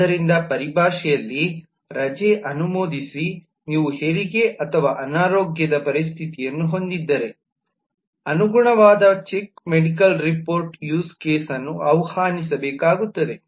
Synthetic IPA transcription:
ɐɾind̪ɐpɐɾibʱaːʂɛjɐlːi | ɾɐd͡ʒeːʔɐnumoːd̪isi | niːʋuheɾiɡe̞ʔɐt̪ʰɐʋaːʔɐnaːɾoːɡjɐd̪ɐpɐɾist̪ʰit̪ijɐnːuɦo̞nd̪id̪ːɐɾe̞ | ɐnuɡuɳɐʋaːd̪ɐt͡ʃekmeɽikɐlɾipoːɾʈjuːskeːsɐnːuʔɐwhaːnis̬ɐbɛːkaːɡut̪ːɐd̪e̞

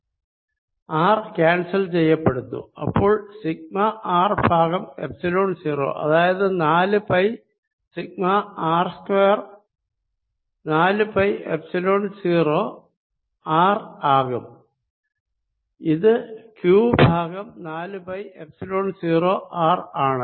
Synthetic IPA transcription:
aːrkʲaːɳsɐlt͡ɕe̞jːɐpːeɽunːṵɐ̰pːo̞ːɭsiɡ̚mɐʔaːrbʱaːɣɐmḛpsiloːɳsiːro̰ːʔɐ̰ðaːjɐðɨnaːlɨpɐj | siɡ̚mɐaːrskweːr | naːlɨpɐjḛpsiloːɳsiːroː | aːraːɣum | iðɨkjuːbʱaːɡɐmnaːlɨpɐjepsiloːɳsiːro̞ːʔaːraːɳɨ

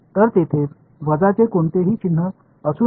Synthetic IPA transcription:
t̪əɾt̪et̪ʰe | ʋəd͡zat͡sekoɳt̪eɦiːt͡ɕin̤ːə | əsuː

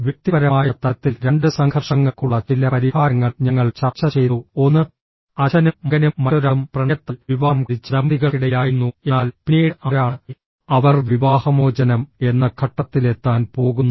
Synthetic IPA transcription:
ʋjek̚t̪iɣɐɾɐmaːjɐt̪ɐɐt̪ːilɾe̞ɳɖɨsɐŋhɐrʂɐŋːɐkːuɭːɐt͡ɕilɐpɐɾihaːɾɐŋːɐɭɲɐŋːɐɭt͡ɕɐrt͡ɕːɐt͡ɕe̞jt̪uo̞nːɨ | ɐɕɐnuːɐɡɐnuːɐoɾɐmprɐɳjɐt̪ːɐlʋiʋaːmkɽit͡ɕːɾɐmb̪iɣɐiɽɐjaːjunːuenaːlpineːɽɐɾaːɳɨ | ɐʋɐrʋiʋaːhɐmoːd͡ʑɐnɐme̞nːɐkʰɐʈːɐt̪ːile̞t̪ːaːnpo̞ːɣunː

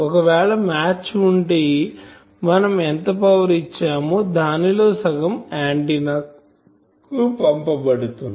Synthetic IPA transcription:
ɔkɐʋɛːɭɐmaːt͡ʃuɳʈeː | mɐnɐment̪ɐpɐwɐɾit͡ʃːaːmud̪ʱaːnilo̞ːsɐɡɐmaːɳʈinɐk | kupɐmpɐbɐɽut̪un

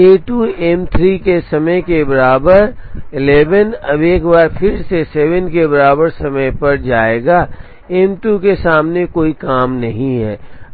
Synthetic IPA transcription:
eːʈuɛmt̪ʰɾiːkesɐməjkebɐɾaːbəɾɪleːʋənɐbeːkbaːɾpʰɪɾseseːʋənkebɐɾaːbəɾsɐməjpɐɾd͡ʒaːeːɡaː | ɛmʈukesaːmnekoːikaːmnɐɦĩɦɛː

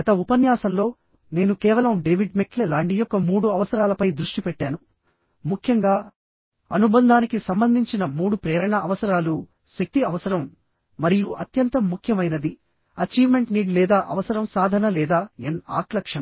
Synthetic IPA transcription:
ɡɐt̪ɐupɐnjaːsɐmlo̞ː | ne̞ːnukɛːʋɐlɐmɖeːʋiɖmeklɛlaːɳʈijɔkːɐmuːɽuɐʋɐsɐɾaːlɐpɐjd̪ɾuʂʈipɛʈːaːnu | mukʰjɐŋɡaː | ɐnubɐnd̪ʱaːnikisɐmbɐnd̪ʱiɲt͡ʃinɐmuːɽupɾɛːɾɐɳɐɐʋɐsɐɾaːlu | sek̚t̪iɐʋɐsɐɾɐmː | ɐɾijuʔɐt̪jɐnt̪ɐmːukʰjɐmɐjnɐd̪i | ɐt͡ʃiːʋme̞ɳʈniːɖlɛːd̪aːʔɐ̰ʋɐsɐɾɐmsaːd̪ʱɐnɐlɛːd̪aːena̰ːklɐkʂɐnɐ

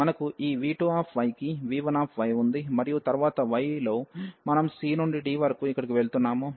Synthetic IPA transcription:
mɐnɐkuʔiːʋiːʈuːaːpʰʋɐjkiʋiːʋɐnaːpʰʋɐjund̪imɐɾijut̪ɐɾʋaːt̪ɐʋɐjlo̞ːmɐnɐmsiːnuɳɖiɖiːʋɐɾɐkuikːɐɽikiʋe̞ɭt̪unːaːmu

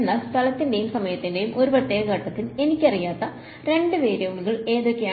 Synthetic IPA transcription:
nːɐst̪ʰɐlɐt̪ːinde̞jumsɐmɐjɐt̪ːinde̞jumʔo̞ɾuprɐt̪ːeːɣɐɡɐʈːɐt̪ːile̞nikʲːɐrijaːt̪ːɐ | ɾe̞ɳɖɨʋe̞ːɾeuɭiɣɐɭe̞ːðo̞ːkʲːea

